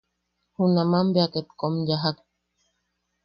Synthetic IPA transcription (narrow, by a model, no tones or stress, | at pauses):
hunamambeaket̪komjaɦak